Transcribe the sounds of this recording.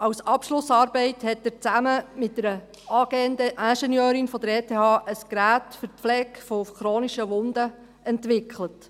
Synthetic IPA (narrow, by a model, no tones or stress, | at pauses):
ɑwsɑpʃlʊsɑːɾbɛɪthɛtːəɾt͡sæməmɪt̚d̥əɾə | ɑːɡ̥eəndəʔæʃɛnjœːɾɪnfɔd̪əɾeːtʰeːhɑːʔəskɾæːtfʏɾflɛkfɔfχɾoːniʃəʋʊnd̥̪ə | ɛntʋɪkʰlət